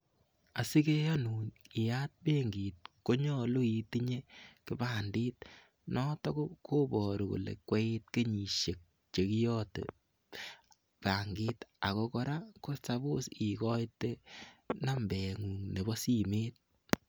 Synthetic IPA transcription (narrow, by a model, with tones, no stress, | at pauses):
a˨si˦ke˦jɔ˦nuː˨nɪ˨ja˦t̚be˦ŋɡiː˨t̚ko˦ɲɔ˦lu˦i˨ti˦ɲe˦kɪ˦baː˨ndiː˦t̚ | nɔ˦tɔ˦ko˦ko˦bɔ˨ɾu˨kṵ˨lḛ˨kwe˦i˦t̚ke˦ɲi˨ʃe˨k̚ | t͡ʃe˨ki˦jɔː˦tḛ˨ | pa˨ŋɡɪː˦ta˨kɔ˦kɔ˧ɾakʊ˦ɾsa˦bo˦si˨kɔ˦jte˦na˦mbɛ˨ŋuː˨ŋne˨bɔ˦si˦meː˦t̚